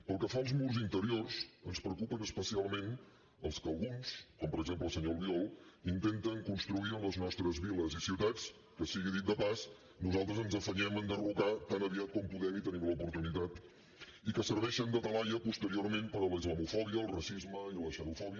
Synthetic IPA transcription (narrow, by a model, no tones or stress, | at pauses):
pəlˠkəfaəlˠzmuɾzint̪əɾiorsənspɾəukupənəspəsialˠmen | əlˠskəlˠɣunskɔmpəɾəɡzempləsəɲɔlˠβiɔlˠint̪ent̪əŋkunst̪ɾuiənləznɔst̪ɾəzβiləzisiwt̪at͡s | kəsiɣiðit̪̚d̪əpas | nuzalˠt̪ɾəzənzəfəɲɛmənd̪ərukat̪anəβiat̪̚kɔmpuðɛmit̪ənimləupuɾt̪unit̪at̪ | ikəsəɾβɛʃənd̪ət̪əlaʎəpust̪əɾioɾmenpəɾələizləmufɔβiəːlˠrəsizməiləsənufɔβiə